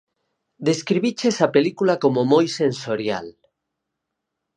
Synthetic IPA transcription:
d̪eskɾiβit͡ʃesapelikulakomomojsensoɾja̰l

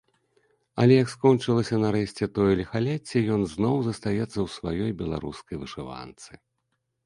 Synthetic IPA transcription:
ɐlʲɛjɐkskɔnt͡ʂɨlˠɐsʲɐnɐɾɛɕʲt͡sʲɛt̪ɔjɐlʲixalʲɛt͡sʲːɛjɔnznɔwzɐst̪ajɛt̪sːɐwsvajɔjbʲɛlˠa̰ɾuskɐjvɨʂɨva̰nt̪sɨ

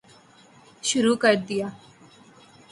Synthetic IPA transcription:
ʃʊɾuːkəɾd̪ɪjaː

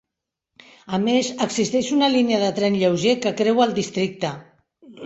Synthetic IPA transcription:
əmezəkzist̪ɛʃunəliniəðət̪ɾɛnʎəwʒekəkɾɛwəlˠd̪ist̪ɾik̚t̪ə

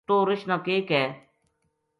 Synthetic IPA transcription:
t̪oːɾɪʃnaːkeːkɛː

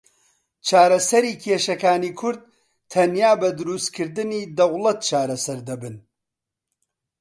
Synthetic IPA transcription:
t͡ʃʰaːɾɐsɐɾiːkʰeːʃɐkaːniːkʰʊɾd̪̚ | t̪ʰɐnjaːbɐd̪ʊɾust̪kʰɨɾd̪ɨniːd̪ɐwlɐt̪̚t͡ʃʰaːɾɐsɐɾd̪ɐbɨn

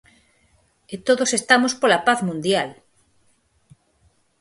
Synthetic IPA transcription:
et̪oðosest̪amospolapaθmũnd̪jal

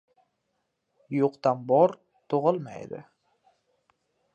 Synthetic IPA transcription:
joqt̪anbɒɾ | t̪ʰʊʁɨlˠma̰jd̪ɪ̰

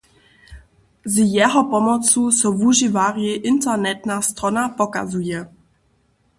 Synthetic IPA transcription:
zjɛɦɔpɔmɔt͡susɔvuʒivaʁjɛʔɪntɛnɛt̪nast̪ɾɔnapɔka̰zujɛ

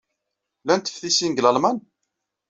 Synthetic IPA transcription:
lænt̪ə̥fθisinɡləlmæn

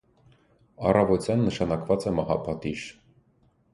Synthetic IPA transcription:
ɑ̰rɑvɔt͡sjɑnːəʃɑnɑkvɑt͡sɛmɑhɑ̰pʰɑt̪iʃ

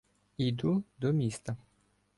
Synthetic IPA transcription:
ijd̪ud̪ɔmʲist̪ɐ

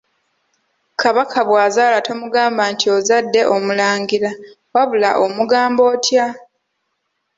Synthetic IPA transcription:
kaβakʰaβwaːzaːlatʰo̞muɡaːmbantʰio̞zadːe̞ʔo̞mulaːŋɡiɾa | waβulaʔo̞muɡaːmbo̞ːtja

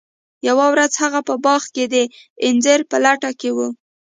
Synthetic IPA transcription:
jawawɾazhaɣapəbɑxked̪əɪnzeɾpəlaʈakewu

